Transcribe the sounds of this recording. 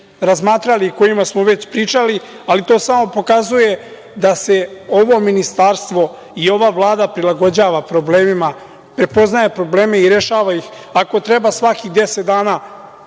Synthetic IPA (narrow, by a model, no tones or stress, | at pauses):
ɾazmaːt̪ɾaliko̞jimasmoʋe̞t͡ɕpɾiːt͡ʂali | alit̪o̞ːsamo̞po̞kazuje̞ | d̪ase̞o̞ʋo̞minist̪aːɾst̪ʋo̞ | io̞ʋaʋlˠaːd̪apɾilˠaɡo̞d͡ʑaːʋapɾo̞ble̞ːmima | pɾe̞po̞znaje̞pɾo̞ble̞ːme̞iɾe̞ʃaːʋajix | ako̞t̪ɾe̞basʋakiɣd̪e̞set̪̚d̪aːnaː